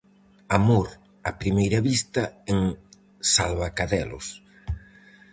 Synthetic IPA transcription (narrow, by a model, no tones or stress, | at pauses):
amoɾ | apɾimejɾɐβist̪ɐeŋ | salβakaðɛlʊ̰s